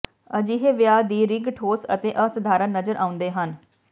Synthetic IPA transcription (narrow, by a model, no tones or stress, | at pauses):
əd͡ʒiːɦeːʋɪjaːd̪iːɾɪŋɡʈʰoːsə̰t̪eːʔəsəd̪ʱaːɾənnːəzəɾʔaːʊ̃nd̪eːɦən